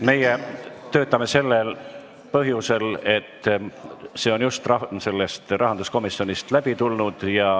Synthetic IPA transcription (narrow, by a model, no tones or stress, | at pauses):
me̞jet̪ø̞ːt̪ːˑɑme̞se̞lːel | pɤɦjuse̞le̞t̪ː | se̞ːo̞njust̪rɑse̞lːe̞st̪rɑɦɑnd̪usko̞misio̞nist̪læb̥it̪ulnud̪̥jɑ